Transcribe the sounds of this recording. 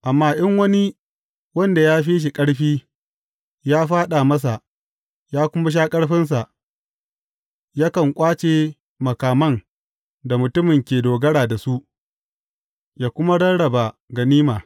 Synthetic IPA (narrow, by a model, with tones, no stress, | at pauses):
ʔa˨mːaː˦ʔɪ˦ŋwɐ˦ni˦ | wɐ˦nda˨jaː˦ɸiː˦ʃ̬i˨kʼɐ˦ɽɸiː˦ | jaː˦ɸaː˦ɗa˨mɐ˦s̬a˨ʔ | jaː˦kʷʊ˦ma˦ʃ̬aː˦kʼɐ˦ɽɸɪ˦ns̬a˨ʔ | jaː˦kɐ˨ŋkʷʼaː˦t͡ʃeː˨ | mɐ˨kaː˨mɐ˦n | da˨mʊ˨tʊ˦mɪ˨ŋkʲeː˨doː˨ɡɐ˦ɽaː˨da˨su˦ʔ | jaː˨kʷʊ˦ma˦ɽɐ˦nɽɐ˨ba˨ɡɐ˨niː˦maː˨